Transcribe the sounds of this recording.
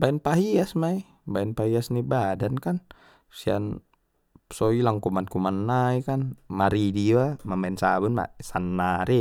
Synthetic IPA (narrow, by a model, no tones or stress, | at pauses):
baɛnpaɦiasmai | baɛnpaɦiasnibadankan | sia̰n | sɔilaŋkumankumanːaikanmaɾidiamambaɛnsabunma̰sanːaɾi